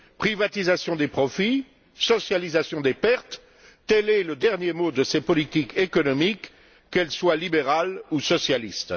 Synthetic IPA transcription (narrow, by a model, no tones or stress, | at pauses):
pχivat̪izasjɔ̃d̪epχɔfi | sɔsjalizasjɔ̃d̪epɛʁt̪ː | ɛlɛləd̪ɛʁnjemod̪əsepɔlit̪ikekɔnɔmikː | ɛlswalibeʁalusɔsjalist̪